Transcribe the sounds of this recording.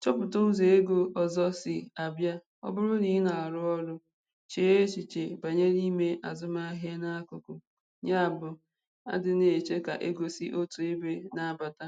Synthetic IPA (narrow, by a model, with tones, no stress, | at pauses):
t͡ʃɔ˦pʊ˨to˦n̩˦ze˨e˦ɡo˦ɔ˨zɔ˦sɪ˨a˨bja˦ | ɔ̰˦bʊ˦ɾʊ˦ni˨ɦɪ˦na˨ɾʊ˦ɔ˦ɾʊ˦ | t͡ʃe˦e˦t͡ʃi˨t͡ʃe˨ba˨ɲe˦ɾi˦me˦ʔa̰˨zʊ˦ma˦ɦe˦na˦kʊ˨kʊ˨ | ɲa˦a˨bʊ˨ | a̰˦dɪ˨ne˨e˨t͡ʃe˦ka̰˨ʔe˦ɡo˨sɪ˦ʔo˦tu˨e˦be˦na˨ba˨ta˦